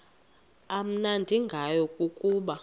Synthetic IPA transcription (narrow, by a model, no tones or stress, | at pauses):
am̩nandʱiŋɡʱajɔkʼukʼuːɓa